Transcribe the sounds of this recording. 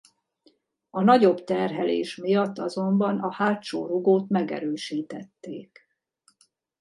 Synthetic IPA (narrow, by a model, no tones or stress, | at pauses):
ɒnɒɟo̞bt̪ɛrɦɛlḛːʃmijɒt̪ːɒzo̞mbɒnɒhaːʃoːɾuɡoːt̪mɛɡɛ̰ɾøːʃiːt̪ɛt̪ːeːk